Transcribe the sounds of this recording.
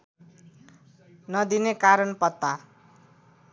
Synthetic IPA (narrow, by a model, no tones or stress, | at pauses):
nʌd̪inekaɾʌnpʌt̪ːa